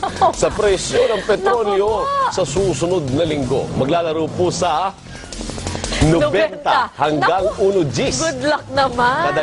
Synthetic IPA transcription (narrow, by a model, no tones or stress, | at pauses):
sɐpɾɛsjonɐŋpɛt̪ɾonjosɐsuːsʊnod̪̚nɐlɪŋɡo̰mɐɡlaːlɐɾuposɐ | nʊbɛnt̪ahɐŋɡaŋuːnod͡ʒisɡʊd̪lak̚nɐmaɐd̪ɐ